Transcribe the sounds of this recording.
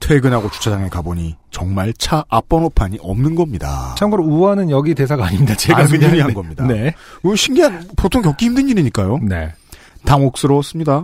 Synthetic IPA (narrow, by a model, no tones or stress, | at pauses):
tʰeɡɯnaɡot͡ɕu̥t͡ɕʰad͡ʑaŋe̞kaboɲit͡ɕʌŋmaɭt͡ɕʰaːp͈ʌnopʰaɲiʔʌmnɯnɡʌmɲida̰t͡ɕʰamɡɯɾouanɯnjʌɡite̞s̬ʰaɡaːɲiɲidat͡ɕeɡaɯuɲiɦannɡʌmɲidaneɯɕʰimɡiɦanpotʰoŋkjʌk͈iimdɯɲiɾiɲik͈ajone̞̰ | taŋok̚s͈ɯɾʌs͈ɯmɲida